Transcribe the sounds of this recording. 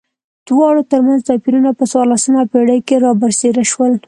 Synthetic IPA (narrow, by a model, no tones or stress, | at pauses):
d̪̥wɑɽot̪əɾmanzt̪ɑpiɾunapəswɑɾlasəmapeɽəjkeɾɑbəɾseɾaʃwəl